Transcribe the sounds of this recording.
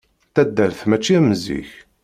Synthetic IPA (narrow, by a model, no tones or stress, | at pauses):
θæd̪ːəɾθmæt͡ʃːiæmzḭç